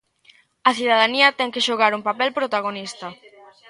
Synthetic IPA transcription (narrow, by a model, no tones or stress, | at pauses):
ɐθiðaðaniɐt̪ɛŋkeʃoɣaɾuŋpapɛlpɾot̪aɣonist̪ɐ